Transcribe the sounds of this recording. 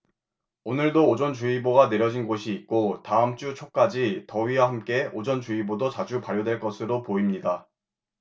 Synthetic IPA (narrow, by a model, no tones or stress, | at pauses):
onɯɭdoːd͡ʑʌnt͡ɕuiboɡane̞ɾjʌd͡ʑinɡoɕʰiːk̚k͈otaɯmt͡ɕ͈ut͡ɕʰok̚k͈ad͡ʑitʌɥiwaɦamk͈e̞od͡ʑʌnt͡ɕuibodʌt͡ɕad͡ʑupaɾjodwe̞ɭk͈ʌsʰɯɾopoimɲida